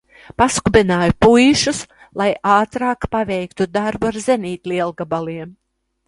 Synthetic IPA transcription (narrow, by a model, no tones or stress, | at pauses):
paskubʲɛnaːjupujʃus | lˠajaːt̪ɾɑːkpavɛjkt̪ud̪aɾbuaɾzeniːt̪liɛlˠɡabalˠiɛm